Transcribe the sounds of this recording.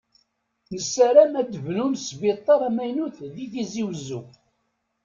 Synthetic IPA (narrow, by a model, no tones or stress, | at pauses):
nəsːæɾæmæd̪əvnumsbɪt̪ˤːɑɾˤæmæjnuθðiθiziwzːu